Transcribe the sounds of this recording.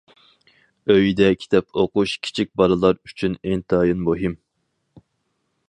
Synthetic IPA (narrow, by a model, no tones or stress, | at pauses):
øjd̪ɛkʲʰi̥t̪ʰɛpʰoquʃkʲʰi̥t͡ʃʰik̚ʲbɑɾɨlˠɑɾyt͡ʃʰyneŋt̪ʰɑːjɨnmoɦim